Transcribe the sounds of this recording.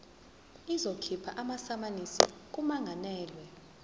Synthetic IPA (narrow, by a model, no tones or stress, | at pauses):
izokʰipʰa̰ʔamasamanisḭk̬umaŋʱanɛːlwɛ